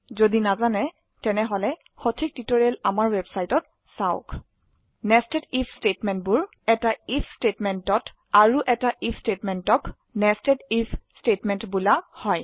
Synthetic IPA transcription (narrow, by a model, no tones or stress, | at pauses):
zodinazanɛ | tɛnɛɦɔlɛ | xotʰik̚titɔɹiɛlamaɹwɛbsajtɔt̚ | saʊ̰k | nɛstɛtipʰstetmɛntbʊɹ | ɛtaipʰstetmɛntɔt | aɹuʔɛtaʔipʰstetmɛntɔk | nɛstɛtipʰstetmɛntbulahɔj